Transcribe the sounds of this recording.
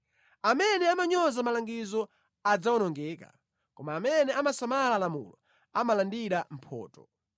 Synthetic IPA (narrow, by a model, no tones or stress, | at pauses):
amɛnɛamaɲɔzamalaŋɡizɔ | ad͡zawɔnɔŋɡɛːka̰ | kɔmaːmɛnɛamasamalalamṵlɔ̰ | amalandiɾam̩pʰɔ̰ːtɔ